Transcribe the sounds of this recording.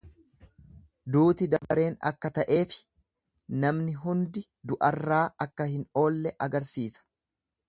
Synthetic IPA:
d̪uːt̪ɪd̪ɐbɐɾe̞ːnɐ̰kːɐt̪ɐʔe̞ːfɪ̥ | nɐmnɪɦʊnd̪ɪ | d̪ʊʔɐrːaːɐkːɐhɪno̞ːlːɛʔɐɡɐɾsiːsɐ̥

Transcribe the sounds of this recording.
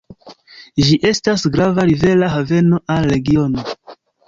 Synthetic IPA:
ʒiʔe̞stasɡɾavaɾive̞laɦave̞no̞ʔalːe̞ɡio̞no̞

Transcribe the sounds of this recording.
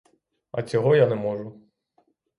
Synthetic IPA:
ɐ̰t͡sʲɔɦɔjanɛmɔʒʊ

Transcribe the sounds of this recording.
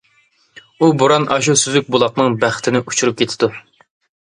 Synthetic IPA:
ubuɾɑnɑʃ̬usyzyk̚ʲbulˠɑq̚nɨŋbæχt̪ʰɪnɪʔut͡ʃʰuɾup̚kʲʰet̪ʰɪd̪u

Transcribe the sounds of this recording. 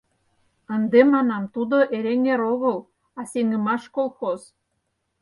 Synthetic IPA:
ə̆nd̪emɑnɑmt̪ud̪oʔeɾeŋeɾoɣə̆l | ɑseŋə̆mɑʃkolˠxoz

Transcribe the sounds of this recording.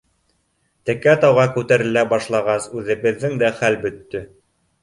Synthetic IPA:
t̪ɘ̆kæt̪ɑwʁɑkʉt̪æɾɘ̆læbɑʃlˠɑʁɑsʉðɘ̆βɘ̆ðːɘŋd̪æχælbɵ̆t̪ːɵ

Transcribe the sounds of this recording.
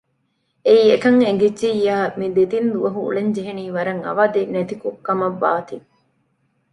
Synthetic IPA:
eiekɐŋeŋ̆ɡed͡ʒːijːaːmid̪ed̪ind̪uʋɐɦuṵɭeɲd͡ʒeɦeniːʋɐɾɐŋɐ̰ʋad̪enet̪ikukːɐmɐʋːa̰ːt̪i

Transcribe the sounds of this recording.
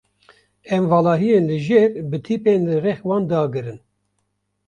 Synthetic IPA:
ɛmvɑːlɑːɦijeːnlɨʒeːɾbɨt̪ʰiːpeːnlɨrɛxwɑːnd̪ɑːɡɨɾɨn

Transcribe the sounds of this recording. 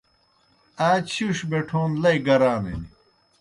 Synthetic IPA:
aːt͡ɕʰuʂbeʈʰoːnlɐjɡɐɾaːnḛni

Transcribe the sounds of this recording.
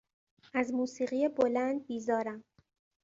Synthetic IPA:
ʔæzmuːsiːɢijebo̞lænd̪̚biːzɒːɾæm

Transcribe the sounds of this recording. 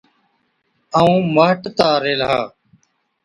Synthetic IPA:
aːũːmaːʈt̪aːɾeːlaː

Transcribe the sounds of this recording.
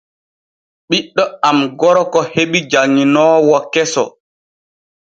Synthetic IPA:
ɓiɗːɔamɡɔɾɔkɔheɓid͡ʒaŋinɔːwɔkɛsɔ̰

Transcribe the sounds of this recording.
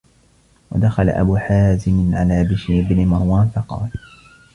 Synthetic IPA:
wa̰d̪axala̰ʔa̰buːħaːzɪmɪʕalaːbɪʃɾɪbnɪmɑɾˤwaːnfɑqɑ̰ːl

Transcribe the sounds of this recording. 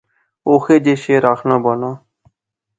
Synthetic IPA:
oːxeːd͡ʒeːʃeːɾaːkʰnãːbaːnãː

